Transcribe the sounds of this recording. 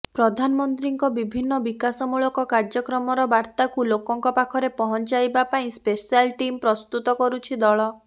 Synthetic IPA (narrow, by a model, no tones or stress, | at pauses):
pɾɔd̪ʱanɔmɔnt̪ɾiŋkɔbibʱinːɔbikasɔmuɭɔkɔkaɾd͡ʒɔkɾɔmɔɾɔbaɾt̪akulokɔŋkɔpakʰɔɾepɔɦɔnt͡ʃajbapaĩspesialʈimpɾɔst̪ut̪ɔkɔɾut͡ʃʰid̪ɔɭɔ